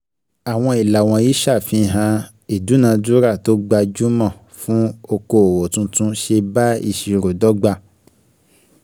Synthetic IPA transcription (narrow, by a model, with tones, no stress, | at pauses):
a˨w̃ɔ̃˧i˨la˨w̃ɔ̃˧ji˦ʃa˦˨fĩ˧ɦã˧ | i˨du˨˦nã˧du˦ɾa˦˨to˦ɡ͡ba˧d͡ʒu˦mã˦˨ | fũ˦o˧ko˧o˨wɔ˨tũ˧˦tũ˦ʃe˧ba˦i˦˧ʃi˨ɾo˨dɔ˨˦ɡ͡ba˧